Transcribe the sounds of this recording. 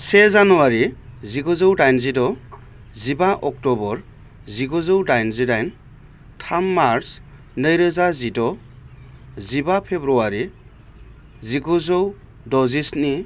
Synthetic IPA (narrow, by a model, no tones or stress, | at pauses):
sezanɔwaɾiziɡɔzɯwdajnzidɔ | zibaʔɔk̚tɔbɔɾ | ziɡɔzɯwdajnzidajn | tʰamːaɾs | nəjɾɯzazidɔ | zibapʰebɾuaɾi | ziɡɔzɔw | dɔzisni